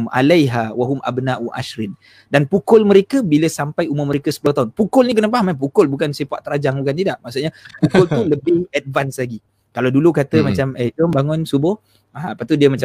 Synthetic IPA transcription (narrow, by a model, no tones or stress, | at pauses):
ma̰lajɦawaɦʊmʔa̰bnaʔuʔa̰ʃɾɪn | danpukʊlməɾekəbiləsampajumʊməɾekəsə̥pulaht̪aʊnpukʊlnik̬ənəp̬amamp̬ukʊlbukansiəpa̰ʔt̪əɾad͡ʒaŋbukant̪idaʔmaʔsuʔɲapukʊlt̪uləbɪhɛd̚vanslaɡi | kalawdulukat̪əmat͡ʃamɛd͡ʒɔmbaŋʊnsubʊh | aapat̪udiəmat͡ʃa